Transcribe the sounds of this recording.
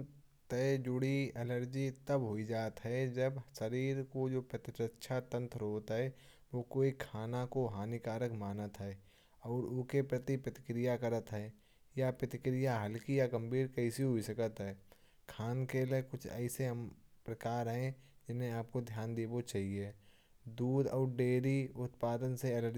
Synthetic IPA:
t̪ɛd͡ʒʊɽiɛləɾd͡ʒit̪əbɦoid͡ʒaːt̪ɦɛd͡ʒɐbsəɾiːɾkod͡ʒoːpɾət̪ɪt̪ɾətːʃʰat̪ə̃nt̪ʰɾoːt̪ɦɛ | ʋokoːikʰaːnakoɦaːnikaːɾəkmaːnət̪ɦɛː | ɔːɾʊkepɾət̪ipɾət̪ɪ̥kɾɪjakəɾət̪ɦɛː | japɾət̪ɪkɾɪjaɦəlkijaɡə̃mbʱiːɾkəɪsiɦʊisəkət̪ɦɛː | kʰaːnkeːlekʊt͡ʃʰɛ̰ːɪseɦəmpɾəkaːɾɦɛ̃ | d͡ʒɪnɦẽaːp̚kod̪ʱjaːnd̪eːbot͡ʃaːɦie | d̪uːd̪ɔːɾɖeːɾiʊt̪̚paːd̪ənseɛləɾ

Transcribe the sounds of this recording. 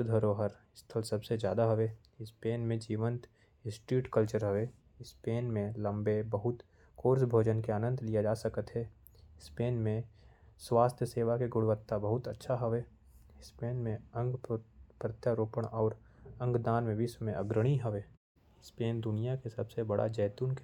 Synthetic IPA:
ʃʊd̪ʱəɾoɦəɾɪst̪ʰəlsɐbsed͡ʒjaːd̪aɦɐʋeː | ɪspeːnmẽd͡ʒiːʋə̃nt̪ | sʈɾiːʈkəlt͡ʃəɾɦɐʋeː | ɪspeːnmẽlɐ̃mbebɐɦʊt̪ | koːɾs̬bʱoːd͡ʒənkeaːnə̃nt̪lijad͡ʒaːsəkət̪ɦɛ | ɪspeːnmẽswaːst̪ʰjəseːʋakeɡʊɽʋət̪ːabɐɦʊt̪ətːʃʰaɦɐʋeː | speːnmẽə̃ŋɡpɾət̪jaɾoːpəɽ̃ɔːɾə̃ŋɡd̪aːnmẽbʱismẽʔɐ̰ɡɾəɽ̃iɦɐʋeː | speːnd̪ʊnijakesɐbsebɐɽa̰d͡ʒɛːt̪uːnk

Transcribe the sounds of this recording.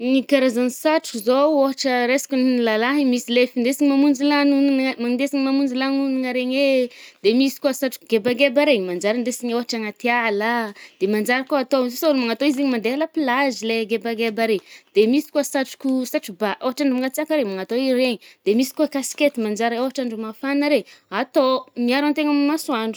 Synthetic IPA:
ɲikaɾazanisaʈ͡ʂukuzooɦaʈ͡ʂəɾesḁkʲunlalaɦimisilefind̪esiɲimamund͡ʒilanunmaŋind̪esiŋimamund͡ʒilanuniŋaɾeɲed̪emisi̥kuasaʈ͡ʂu̥kuɡebaɡebaɾeɲimand͡ʒaɾand̪esiɲoɦaʈ͡ʂaŋat̪ialad̪̥emand͡ʒaɾakuat̪ososaunumaŋat̪oizeɲimand̪ealapilazileɡebaɡebaɾed̪̥emisi̥kuasaʈ͡ʂu̥kusaʈ͡ʂibaʔeɦaʈ͡ʂaɳɖ͡ʐumaŋɡat͡sakaɾemaŋat̪oiɾeɲid̪̥emisi̥kukasi̥ket̪imand͡ʒaɾaewɦaʈ͡ʂaɳɖ͡ʐumafanaɾeat̪omiaɾant̪eŋammasuaɳɖ͡ʐu

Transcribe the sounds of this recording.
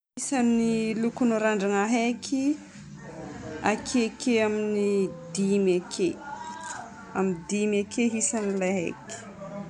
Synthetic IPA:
isanilukunoɾaɳɖ͡ʐaŋaɦekʰi | akʰekʰeaminid̪imakʰe | amind̪imakʰeɦisanilaɦḛki̥

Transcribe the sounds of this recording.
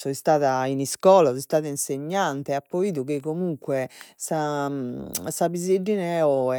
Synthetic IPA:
sɔist̪aːðainiskɔːlasɔist̪aːðainseɲːant̪ɛapːoiːðukekːomuŋkwɛsa | sabizeɖinɛɔɛ

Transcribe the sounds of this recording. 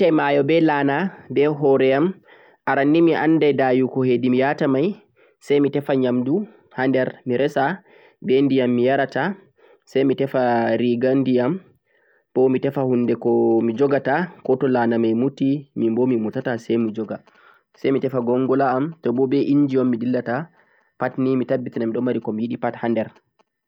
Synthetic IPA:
tajmajɔbɛlaːnabɛɦɔɾɛam | aɾanːimiʔa̰nːdadajukɔhedimijatamaj | sajmitɛfaɲamdu | handɛɾmiɾɛsa | bɛndijamːijaɾata | sajmitɛfaɾiɡandijam | b̥ɔmitɛfahundɛkɔmid͡ʒɔɡatakɔtɔlanamajmutimimbɔmimutatasɛjmid͡ʒɔɡa | sɛjmitɛfaɡɔŋɡɔlaːmtɔbɔbɛʔind͡ʒiɔmːidilːata | patnimitabːitinamiɗɔmːaɾikɔmijiɗipathandɛɾ

